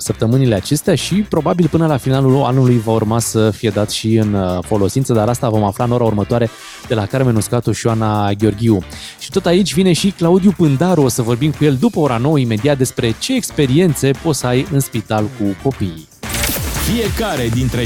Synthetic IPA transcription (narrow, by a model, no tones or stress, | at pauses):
səp̚t̪əmɨnile̞at͡ʃe̞st̪eaʃipɾo̞babilpɨnəlafinalula̰nulujvaurmasəfije̞d̪at̪ʃiɨnfo̞lo̞sint̪səd̪aɾast̪avo̞maflaɨno̞ɾaurmət̪oaɾe̞ | d̪̥e̞lakaɾmenuskat̪uʃioanaɡʲeo̞rɡʲiuʃi̥t̪o̞t̪ait͡ʃʲvine̞ʃiklaud̪ijupɨnd̪aɾuosəvo̞rbimkuje̞ld̪upəo̞ɾano̞wəime̞d̪iat̪̚d̪e̞spɾe̞t͡ʃe̞ːkspe̞ɾie̞nt̪se̞po̞t̪səajɨnspit̪alkuko̞pi | fije̞kaɾe̞d̪int̪ɾe